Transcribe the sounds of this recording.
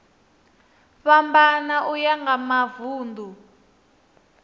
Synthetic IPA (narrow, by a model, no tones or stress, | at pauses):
βambanaʔujaŋɡamavuːndʱu